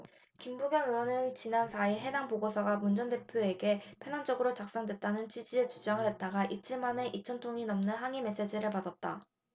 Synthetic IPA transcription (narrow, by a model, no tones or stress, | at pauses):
kimbuɡjʌŋɯwʌnɯnt͡ɕinansʰaiɭɦe̞daŋpoɡosʰʌɡamund͡ʑʌnde̞pʰjoe̞ɡe̞pʰjʌnand͡ʑʌɡɯɾot͡ɕak̚s͈ʌŋdwet̚t͈anɯnt͡ɕʰɥid͡ʑie̞t͡ɕud͡ʑaŋɯɭhe̞t̚t͈aɡaʔit͡ɕʰiɭmane̞ʔit͡ɕʰʌntʰoŋinʌmnɯnɦaŋime̞s͈e̞d͡ʑiɾɯɭpadat̚t͈a